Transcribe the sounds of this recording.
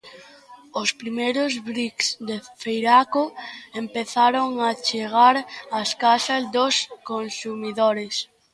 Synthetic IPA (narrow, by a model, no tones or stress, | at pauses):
ospɾimejɾozβɾiksd̪efejɾakoempeθaɾoŋat͡ʃeɣaɾɐskaʃɐzd̪oskonsumiðoɾes